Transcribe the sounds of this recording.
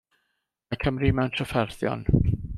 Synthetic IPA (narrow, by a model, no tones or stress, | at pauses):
akʰəmrimɛwntʰrəfɛrθjɔ̰n